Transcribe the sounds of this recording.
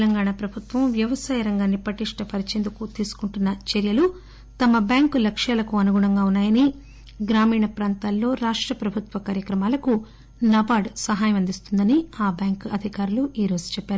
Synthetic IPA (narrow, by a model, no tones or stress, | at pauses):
t̪lɐŋɡaːɳaːpɾɐbʱut̪ʋɐmʋjɐʋɐsaːjɐɾɐŋɡaːnːipɐʈiʂʈɐpɐɾit͡ʃeːnd̪ukut̪iːsu̥kuɳʈunːɐt͡ʃeɾjɐlu | t̪ɐmɐbjaːŋklɐkʂjaːlɐkuɐnuɡuɳɐŋɡaːunːaːjɐni | ɡɾaːmiːɳɐpɾaːnt̪aːlːo̞ːɾaːʂʈɾɐpɾɐbʱut̪ʋɐkaːɾjɐkɾɐmaːlɐku | nɐbaːɖsɐɦaːjɐmɐnd̪ist̪und̪ɐniaːbjaːŋkɐd̪ʱikaːɾuluʔiːɾo̞ːd͡ʒu̥t͡ʃɛpːaːɾu